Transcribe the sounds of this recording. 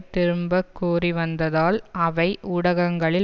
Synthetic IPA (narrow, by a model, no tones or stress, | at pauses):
t̪ːɪɾɯmbɐkːuːriʋɐnd̪ɐðaːlɐʋɐɪʔʊɽɐɣɐŋɡɐɭɪ